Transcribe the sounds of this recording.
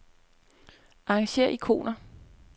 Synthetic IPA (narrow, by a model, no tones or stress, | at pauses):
ɑ̈ɑ̈ŋɕe̝̰ːɐ̰ʔikʰo̝̰ːnɐ